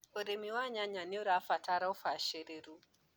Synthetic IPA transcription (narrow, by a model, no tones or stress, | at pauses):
ɔɾemiwaɲaɲaniuɾafataɾawfaʃɛɾeɾu